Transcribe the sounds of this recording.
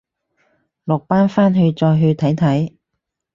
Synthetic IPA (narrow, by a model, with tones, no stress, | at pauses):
lʊ˨k̚paː˥nfaː˥nɦɵ˧ɥt͡sɔː˧jɦɵ˧ɥt̪ʰɐ˨˥jt̪ʰɐ˨˥j